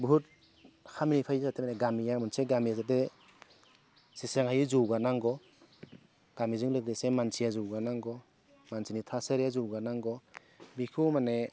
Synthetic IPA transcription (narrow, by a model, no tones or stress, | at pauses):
bɦut̚ | hʰaminipʰajsatʰemaneɡamijamunseɡamiazade | sisaŋhajuzuwɡanaŋɡɔ | ɡ̥amizɯŋlɔkdesemansijazuwɡanaŋɡɔ | mansinitʰasəɾjazuwɡanaŋɡɔ | bikʰumane